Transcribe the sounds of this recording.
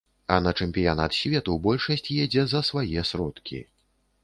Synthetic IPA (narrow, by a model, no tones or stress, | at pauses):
ɐnɐt͡ʂɛmʲpʲijanat̪sʲvʲɛt̪ubɔlʲʂɐsʲt͡sʲjɛd͡zʲɛzɐsvajɛsɾɔt̪kʲḭ